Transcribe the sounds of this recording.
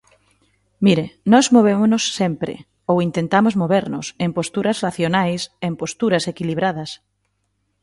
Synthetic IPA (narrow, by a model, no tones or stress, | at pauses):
miɾenɔzmoβ̞emonʊsːempɾɪ̰ | owint̪ent̪amozmoβeɾnʊsempost̪uɾɐsraθjonajsempost̪uɾɐsekiliβɾaðɐs